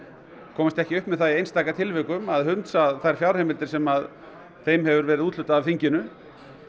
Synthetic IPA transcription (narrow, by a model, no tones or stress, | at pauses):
kʰɔːmast̪ɛhcɪʏhpmɛðθajejnst̪aːjkat̪ʰɪlvɪkʏmaðɦʏnt̪saðθaɾ̥fjawɾ̥hejmɪlt̪ɪɾ̥sɛmað | θejmɦɛvʏɾvɛːɾɪðuːt̪lʏt̪aavθiɲcɪnʏ